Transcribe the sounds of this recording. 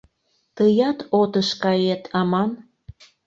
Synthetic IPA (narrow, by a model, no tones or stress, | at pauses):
t̪əjɑt̪ot̪əʃkɑjet̪ʰɑmɑn